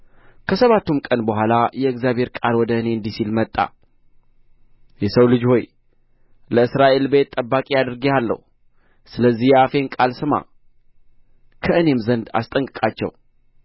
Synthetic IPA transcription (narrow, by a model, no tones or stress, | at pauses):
kʰəsəβat̪ːumkʼənbəɦʷalajɛɨɡzjaβhe̞ɾkʼalwɔd̪əɨne̞ɨnd̪isilmət̪ʼːa̰ | jɛsəwlɨd͡ʒho̞j | ləɨsɾaʔe̞lbe̞t̪ʼːəbːakʼiad̪ɾɡealːə̰hu | sɨləzːihjɛafe̞nkʼalsɨma̰ | kʰəʔɨne̞mzənd̪a̰st̪ʼəŋkʼɨkʼat͡ʃːɛ̰w